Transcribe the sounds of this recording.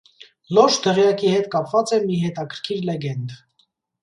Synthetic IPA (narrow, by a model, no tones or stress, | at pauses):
lɔʃd̪ɛʁjɑkihɛt̪kɑpvɑt͡sɛmiɦɛt̪ɑkʰəɾ̥kʰiɾlɛɡɛnd̪